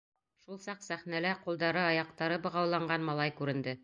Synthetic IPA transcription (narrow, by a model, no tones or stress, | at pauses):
ʃulˠsɑqsæχnælæqulˠd̪ɑɾɤɑjɑq̚t̪ɑɾɤbɤ̆ʁɑwlˠɑɴɢɑnmɑlˠɑjkʉɾɘ̆nd̪ɘ